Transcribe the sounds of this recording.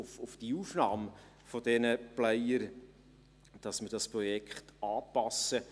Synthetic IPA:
ʊfʊfd̥iuːfnɑːm | fɔd̥ɛnəplɛjəɾ | d̥ɑsməɾdɑspɾɔjɛkχtɑːpɑsə

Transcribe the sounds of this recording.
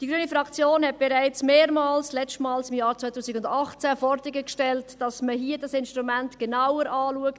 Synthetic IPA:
d̥iɡɾyənifɾɑkt͡sjoːnhɛt̚b̥eɾæɪt͡smeːɾmɑːlslɛt͡stmɑːlsɪmjɑːɾt͡sʋœɪtʰuːsɪkʊndɑχt͡sæfɔɾd̥ɪɡəkʃtɛltd̥ɑsməɦiədɑsɪnʃtɾumæntɡ̥enawəɾʔɑːluəkt

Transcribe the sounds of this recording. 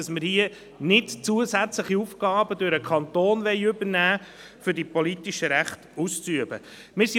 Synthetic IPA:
ɑsmɪɾhiə | nɪtt͡suəsæt͡sləχiufɡ̥ɑːbədøɾəkʰɑntoːnvɛɪʏbəɾnæː | fʏɾdipɔlitiʃəɾæχtust͡syəbə̰ | mɪɾsi

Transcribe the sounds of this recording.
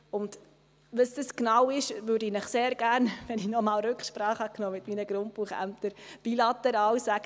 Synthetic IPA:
ʊnd | ʋəsd̥əsknɑwɪʃʋʏːɾdɪnəχseːɾɡ̥æːɾnʋɛnɪçnɔmɑːlɾʉkχʃpɾɑːχhɑknoːmɪtminəɡ̥ɾʊnt̚puːχæ̰mt̪əɾb̥ilɑt̪ɛɾɑːlsæɡ̥ə

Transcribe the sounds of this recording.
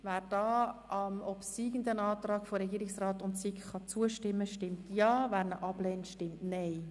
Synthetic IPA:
væːɾd̥ɑːɑmɔpsiːɡ̥əndənɑːt̪rɑːkfoɾɛɡiːɾɪksrɑːtʊntsikχɑt͡suəʃtɪmːəʃtɪmtjɑːvæːɾnəʔɑblɛːntʃtɪmtnɛɪ

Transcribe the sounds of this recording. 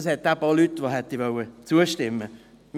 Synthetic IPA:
shɛt̪̚d̥̪aːbɑːlyt̪ːʋoɦɛt̪diʋœwət͡suəʃtɪmːə | m

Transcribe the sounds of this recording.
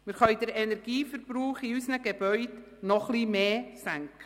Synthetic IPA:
mɪːɾχœʏd̥əɾɛnɛɾɡ̥iːfəɾb̥ɾuːχiysnəɡeb̥œʏd | nɔχliːmeːsæŋkə

